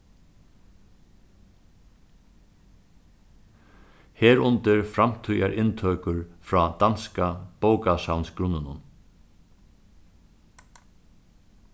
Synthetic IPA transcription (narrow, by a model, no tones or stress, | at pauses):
heːɾʊnt̪ɪɹfɾamt̪ʰʏjaɹʔɪnt̪ʰœːkʊɹfɾɑːd̪̥anskab̥oːwkashawnsɡɾʊnɪnʊn